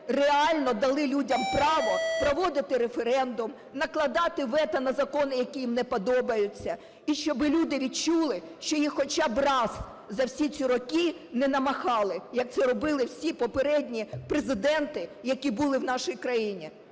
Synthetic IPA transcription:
reɑlʲnɔd̪ɐlˠɪlʲudʲɐmpɾɑʋɔpɾɔʋɔd̪ɪt̪ɪɾefeɾɛnd̪ʊm | nɐklˠɐd̪ɑt̪ɪʋɛt̪ɐnɐzɐkɔnɪjɐkʲijimnɛpɔd̪ɔbɐjʊt͡sʲːɐ | iʃt͡ʃɔbɪlʲud̪ɪʋʲidt͡ʃulˠɪ | ʃt͡ʃɔjixxɔt͡ʃɑbrɑs | zɐwsʲit͡sʲiɾɔkʲi | nɛnɐmɐxɑlˠɪjɐk̚t̪sɛɾɔbɪlˠɪwsʲipɔpeɾɛdʲnʲipɾezɪd̪ɛnt̪ɪjɐkʲibulˠɪwn̪ɑʃɪjkɾɐjinʲi

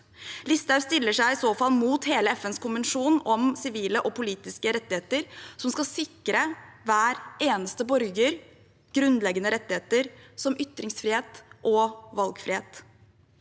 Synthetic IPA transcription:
lɪst̪ɑʉst̪ɪlːəʂæɪɪsoːfɑlmuːt̪heːləɛfɛnskʊnʋənʂuːnɔmsɪʋiːləʔɔpʊliːt̪ɪskəɾɛt̪ːɪeːt̪əɾsɔmskɑsɪkːɾəʋæːɾʔeːnəst̪əbɔɾɡəɾ | ɡ̥ɾʉnd̪lɛɡənəɾɛt̪ːɪheːt̪əɾsɔmʔʏt̪ːɾɪŋsfɾɪːheːt̪ʔɔʋɑlɡfɾɪheːt̪

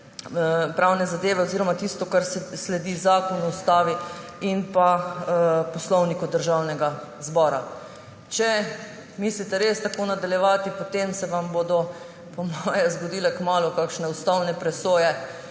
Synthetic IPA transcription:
pɾawnɛzad̪eːʋɛoziːɾɔmat̪ist̪ɔkaɾsslɛd̪iːzaːkɔnɔust̪aːʋiinpa | pɔslɔwnikud̪əɾʒawnɛɡazbɔːɾa | t͡ʃɛ | mislit̪ɛɾest̪akoːnad̪aljɛʋaːt̪ipot̪emsɛʋambod̪ɔ | pɔmɔjɛzɡɔd̪iːlɛkmaːlukakʃnɛust̪awnɛpɾɛsoːjɛ

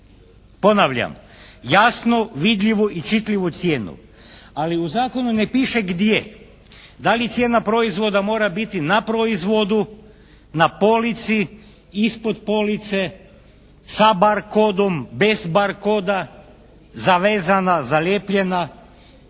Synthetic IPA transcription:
po̞naʋʎa̰m | jasnoʋid̪ʎiʋoʔit͡ʃit̪lʲiʋut̪sjeːnṵ | aliuzaːko̞nunepiːʃeɡd̪je | d̪alit̪sjeːnapɾo̞izʋo̞d̪amo̞ːɾabit̪inapɾoizʋo̞d̪u | napo̞lit̪si | ispod̪po̞lit̪se̞ | sabaɾkod̪ombe̞zbaɾkoːd̪a | zaʋeːzanazaleːpʎe̞na

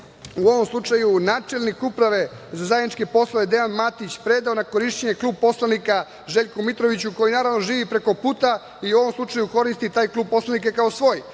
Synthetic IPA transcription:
uo̞ʋo̞mslˠut͡ʂajunaːt͡ʂelnikupɾaʋe̞zazajed̪nit͡ʃkepo̞slˠoʋed̪e̞anmat̪it͡ɕpɾed̪aonako̞ɾiʃt͡ɕeɲe̞kluːb̚po̞slˠanika | ʒeʎʲkumit̪ɾo̞ʋit͡ɕuko̞jinaːɾaʋno̞ʒiːʋipɾe̞ko̞puːt̪a | iuo̞ʋo̞mslˠut͡ʂajuko̞ɾist̪it̪aːjklˠuːb̚po̞slˠanikekaosʋo̞ːj

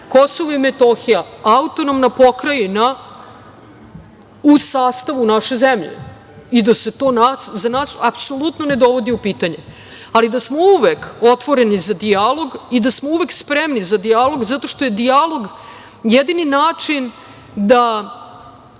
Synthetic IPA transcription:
ko̞so̞ʋoimet̪o̞xijaaut̪onomnapo̞kɾajina | usaːst̪aʋunaʃe̞zemʎḛ | id̪ase̞t̪o̞ːnaːszanaːsapso̞lut̪none̞d̪o̞ʋo̞d̪iupiːt̪aɲe̞ | alid̪asmouʋeko̞t̪ʋo̞ɾe̞nizad̪ialˠo̞ɡid̪asmouʋe̞kspɾemnizad̪ijalo̞ɡzat̪o̞ʃt̪o̞je̞d̪ijalˠo̞ɡ | jed̪ininaːt͡ʂin | d̪a

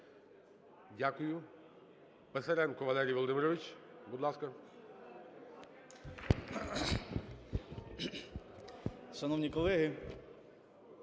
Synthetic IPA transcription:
dʲakʊjʊ | pɛsɛɾɛnkɔʋɐlˠɛɾʲijʋɔlˠɔd̪ɪmɪɾɔʋɪt͡ʃbud̪lˠaskɐ | ʃɐnɔwnʲikɔlˠɛɦɪ

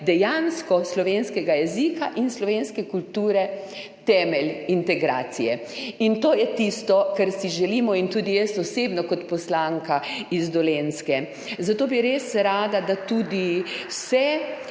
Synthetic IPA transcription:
d̪ɛjanskɔslɔʋenskɛɡajɛzikaʔinslɔʋenskɛkult̪uːɾɛ | t̪ɛːmɛlʲint̪ɛɡɾa̰ːt̪sijɛ | int̪oːjɛt̪ist̪ɔkaɾsiʒɛliːmɔint̪uːd̪ijɛst̪ɔseːbnɔkɔt̪pɔslaŋkaizd̪ɔlenskɛ | zat̪oːbiɾesɾaːd̪ad̪at̪uːd̪iwsɛ

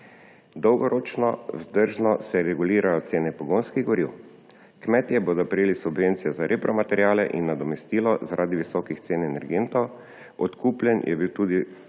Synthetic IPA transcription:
d̪ɔwɡɔɾʔoːt͡ʃnɔ̰zd̪əɾʒnɔsɛɾɛɡuliːɾajɔt̪seːnɛpɔɡoːnskiɣɡɔɾiw | kmɛt̪jɛboːd̪ɔpɾɛjeːlisubʋeːnt̪sijɛzaɾʔepɾɔmat̪ɛɾjaːlɛʔḭnːad̪ɔmɛst̪iːlɔzaɾʔaːd̪iʋisɔkixt̪seːnɛnɛɾɡent̪ɔw | ɔt̪kuːplʲɛnjʔɛ̰biwt̪uːd̪i

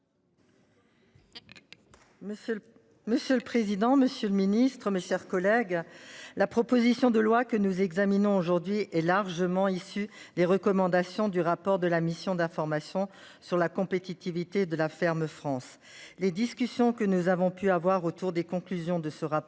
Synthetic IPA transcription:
məsjøləpχezid̪ɑ̃məsjøləminist̪χəmeʃɛʁkɔlɛɡlapχɔpozisjɔ̃d̪əlwakənuzɛɡzaminɔ̃oʒuʁd̪ɥiʔɛlaʁʒəmɑ̃isyd̪eʁəkɔmɑ̃d̪asjɔ̃d̪yʁapɔʁd̪əlamisjɔ̃d̪ɛ̃fɔʁmasjɔ̃ | syʁlakɔ̃pet̪it̪ivit̪ed̪əlafɛʁmfχɑ̃s | led̪iskʲysjɔ̃kənuzavɔ̃pyavwaʁot̪uʁd̪ekɔ̃klyzjɔ̃d̪əsəʁa

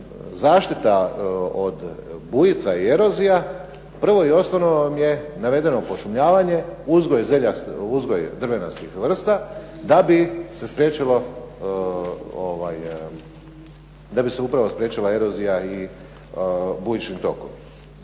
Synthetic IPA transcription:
zaːʃt̪it̪aod̪bujit̪saie̞ɾo̞zija | pr̩ʋo̞io̞snonomje̞naʋe̞d̪e̞no̞po̞ʃumʎaːʋaɲe̞uzɡo̞jzeʎauzɡo̞jd̪rʋe̞nost̪ixʋr̩st̪ad̪abise̞spɾʲjeːt͡ʃilo | oʋa̰j | d̪abiseupɾaʋospɾje̞ːt͡ʃilae̞ɾozijai | bujit͡ʃimt̪o̞̰kom

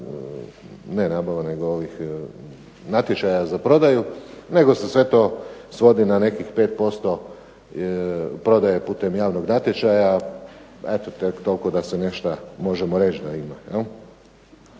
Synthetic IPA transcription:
ne̞nabaʋane̞ɡooʋix | nat̪jet͡ʃajazapɾo̞d̪ajune̞ɡo̞sesʋe̞t̪oːsʋo̞d̪inane̞kixpe̞ːt̪̚po̞st̪o̞ | pɾo̞d̪aje̞puːt̪e̞mjaːʋnoɡnat̪jet͡ʃaja | et̪ot̪ekt̪o̞lko̞d̪asene̞ʃt̪amo̞ʒemo̞ɾe̞t͡ʃd̪aimajel

